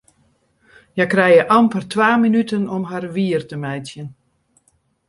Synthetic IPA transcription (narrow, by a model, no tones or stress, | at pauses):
jakrɛjəʔɑmpərtʋaːminytənɔmɦarʋiərtəmɛjtjən